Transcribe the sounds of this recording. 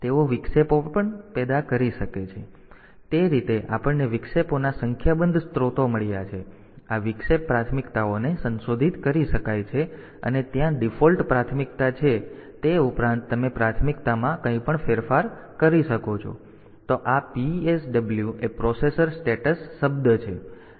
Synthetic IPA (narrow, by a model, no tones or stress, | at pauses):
t̪eoʋiksepopəɳpɛd̪akəɾiʃəket͡ʃʰe | t̪eɾit̪eʔa̰pəɳːeʋikseponasəŋkʰjabənd̪ʱst̪ɾot̪oməɭjat͡ʃʰe | aʋɪkʂepːɾat̪ʰmikt̪aonesənsod̪ʱit̪kəɾiʃəkajt͡ʃʰe | ə̰net̪jãɖifɔlʈpɾat̪ʰmik̚t̪at͡ʃʰet̪eupɾãnt̪ːəmepɾat̪ʰmikt̪amãkəɦĩpəɳfʰeɾfaɾ | kəɾiʃəkot͡ʃʰo̰ | t̪oʔapiesɖəbljuepɾɔsesəɾsʈeʈəsːəbd̪t͡ʃʰe